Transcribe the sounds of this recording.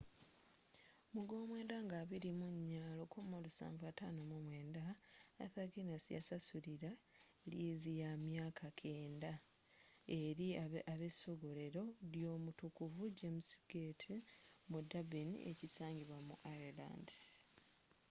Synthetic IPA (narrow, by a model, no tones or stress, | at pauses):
muɡo̞ːmwe̞ːndaŋɡaːβiɾimuɲːaːlo̞kumolusa̰ːɱvatanomumwe̞ːnda̰ːθaɡinasija̰sasuɾiɾa | liːzijamjaːkʰakʰe̞ːnda | e̞ɾiaaβe̞soɡole̞ɾo̞ɾjo̞ːmutukuvud͡ʒemusɡetʰimudabinḭʔḛcisaːɲɟiβwamṵʔaela̰ːndi